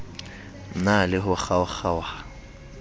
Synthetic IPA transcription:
nalɪɦʊaχawaχawa

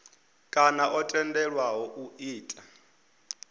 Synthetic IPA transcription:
kʼanaʔɔtʼɛndɛɺwaɦɔʔuiːtʼa

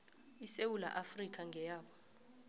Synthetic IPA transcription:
isewula̰ʔafrik̬ʼaŋʱɛjaːɓɔ

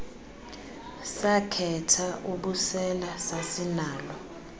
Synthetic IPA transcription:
sakʰɛtʰaʔuɓusɛlasasinaːlɔ

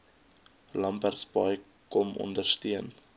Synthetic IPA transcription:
lɐmpærtsbɐj | kɔmɔ̰ndərstiən

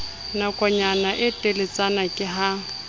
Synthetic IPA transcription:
nakʼɔɲanaʔɪtʼelɪt͡sʼanakʼɪɦa

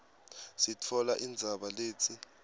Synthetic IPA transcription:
sitʰɔlaʔind͡zʱaɓaleːt͡sʰʼi

